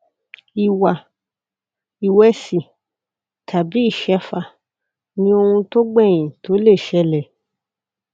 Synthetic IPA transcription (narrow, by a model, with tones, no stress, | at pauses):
i˨wa˨ | i˨wɛ˦si˨ | tʰa˨bi˨˦i˦˨ʃɛ˧˦fa˧˨ | nĩ˧˦o˧hũ˧to˦ɡ͡bɛ˦˨j̃ĩ˨to˨˦le˦˨ʃɛ˧lɛ˨